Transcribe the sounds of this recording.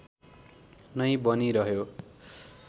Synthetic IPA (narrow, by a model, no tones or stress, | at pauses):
nʌjbʌniɾʌɦjo